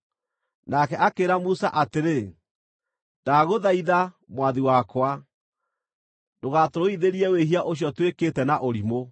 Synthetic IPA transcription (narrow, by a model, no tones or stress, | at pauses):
nakɛʔakeːɾamusaʔateɾe | d̥aɣoðaiða | mwaðiwakwa | ndoɣatoɾoiðeɾiɛweɦiaʔoɕjɔtwekeːtɛnaʔoɾimo